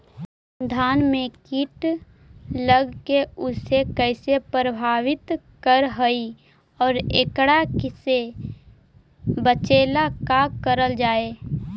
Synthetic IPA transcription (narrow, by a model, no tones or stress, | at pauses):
d̪ʱaːnmẽkiʈ | ləɡkeʊsekɛɪsepɾəbʱaːʋɪt̪ | kəɾɦoi | ɔːɾḛkɽakɪse | bət͡ʃeːlakakəɾəld͡ʒaːeː